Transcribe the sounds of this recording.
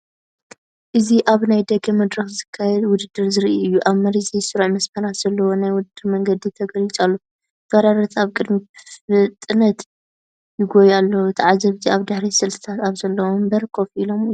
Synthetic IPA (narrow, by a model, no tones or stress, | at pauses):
ʔɨziʔaβnajd̪ɐɡɐmɐd̪ɾɐxzɨkʰːajɛd̪wʊd̪ɨd̪ːɨɾzɨɾiʔɨjːuʔaβmɐɾizɐjsɨɾʕmɐsmɐɾat̪z̥ɐlːɐwo̞najwʊd̪ɨd̪ːɨɾmɐŋɡɐd̪it̪ʰɐɡɐlit͡sʼalːo | fɐɾaɾɐt̪ʰaβkʼɨd̪mifɨt̪ʼɨnɐt̪ | jɪɡojalːɐwt̪ʰɨʕazɐβziaβd̪ɨħɾisɨlt̪ʰɨ̥t̪ʰat̪aβzɐlːɐwombɐɾɨkʰːo̞fʔilo̞mɨjːu